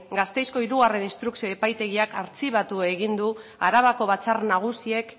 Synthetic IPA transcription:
ɡast̪e̞jsko̞iɾuɣare̞ninst̪ɾuksio̞epajt̪e̞ɣiakaɾt͡siβat̪ue̞ɣ̞ind̪uaɾaβ̞ako̞βat͡sarnaɣ̞usie̞k

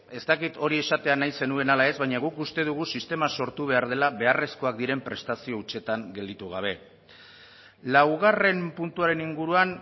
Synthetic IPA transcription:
e̞st̪akit̪o̞ɾie̞sat̪e̞anajse̞nue̞nalae̞zβajɲaɣukust̪eðuɣ̞usist̪e̞maso̞ɾt̪uβ̞e̞aɾð̞e̞laβe̞are̞sko̞ak̚d̪iɾe̞mpɾe̞st̪asio̞ut͡ʃe̞t̪aŋɡe̞ld̪it̪uɣ̞a̰β̞e̞ | lawɣ̞are̞mpunt̪uaɾe̞niŋɡuɾuan

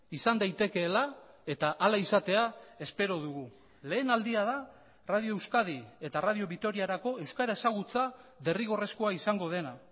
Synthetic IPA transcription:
isand̪ajt̪e̞ke̞ːla | e̞t̪aʔːlaisat̪e̞ae̞spe̞ɾo̞ð̞uɣu | le̞ːnald̪iað̞a | raðio̞ewskaðie̞t̪arað̞io̞βit̪o̞ɾiaɾako̞e̞wskaɾae̞saɣ̞ut͡saðe̞riɣ̞o̞re̞sko̞aisaŋɡo̞ð̞e̞na

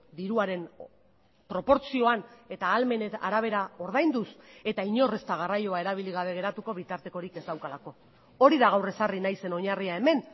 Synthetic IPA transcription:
d̪iɾuaɾe̞n | pɾo̞po̞ɾt͡sio̞ane̞t̪aːlme̞nea̰ɾaβ̞e̞ɾao̞ɾðajnd̪use̞t̪aiɲo̞re̞st̪aɣ̞arajo̞ae̞ɾaβ̞iliɣ̞aβ̞e̞ɣ̞e̞ɾat̪uko̞β̞it̪aɾt̪e̞ko̞ɾike̞zd̪awkalako̞ | o̞ɾiðaɣ̞awre̞sarinajse̞no̞ɲariae̞me̞n

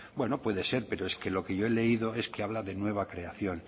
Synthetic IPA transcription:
bwe̞nopwe̞ðe̞se̞ɾpe̞ɾoeskelo̞keʝoele̞iðoe̞skeaβ̞laðe̞nwe̞β̞akɾe̞aθjo̞n

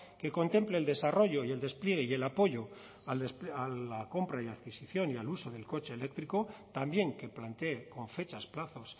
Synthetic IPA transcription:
ke̞ko̞nt̪e̞mple̞ːld̪e̞saro̞ʝo̞ie̞ld̪e̞splje̞ɣ̞e̞ie̞lapo̞ʝo̞ | alespalako̞mpɾaiaðkisiθjo̞nialuso̞ð̞e̞lko̞t͡ʃe̞ːle̞k̚t̪ɾiko̞t̪ambje̞ŋke̞plant̪eko̞ɱfe̞t͡ʃasplaθo̞s

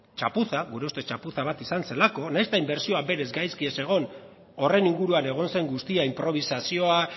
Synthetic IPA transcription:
t͡ʃapuθaɣuɾe̞ust̪e̞t͡ʃapuθaβ̞at̪isanse̞lako̞najst̪aimbe̞ɾsio̞abe̞ɾe̞zɡajskie̞se̞ɣ̞o̞n | o̞re̞niŋɡuɾuane̞ɣ̞o̞nse̞ŋɡust̪iaimpɾo̞β̞isasio̞a

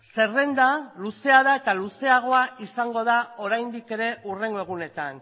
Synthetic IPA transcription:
se̞re̞nd̪aluse̞aðae̞t̪aluse̞aɣ̞o̞aisaŋɡo̞ð̞ao̞ɾajnd̪ike̞ɾe̞ʔure̞ŋɡo̞e̞ɣ̞une̞t̪a̰n

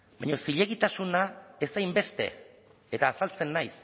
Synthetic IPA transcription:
bajɲo̞siʎe̞ɣ̞it̪asunae̞sajmbe̞st̪e̞̰ | et̪aːsalt͡se̞nːajs

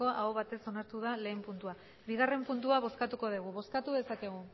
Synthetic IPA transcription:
o̞ʔaoβat̪e̞so̞naɾt̪uðale̞ːmpunt̪ua | βiɣ̞are̞mpunt̪̬uaβ̞o̞skat̪uko̞ð̞uɣ̞uβo̞skat̪uðe̞sake̞ɣ̞u

